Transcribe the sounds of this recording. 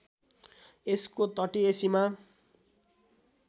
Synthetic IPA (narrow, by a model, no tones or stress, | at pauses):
eskot̪ʌʈiesima